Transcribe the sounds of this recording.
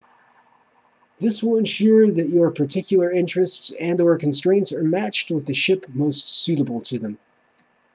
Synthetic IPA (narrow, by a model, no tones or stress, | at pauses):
ðɪswəlˠə̃nʃʊɹðɨt͡ʃə˞pʰə˞tʰɪkʰjl̩ˠə˞ɪ̃nt͡ʃɹ̥ɨstsɨ̃naə˞kʰn̩stɹ̥ẽɪ̃ntsə˞mæt͡ʃt̚wəðɨʃɪpmoʊstsʉɾəbl̩ˠtʰɨðə̃m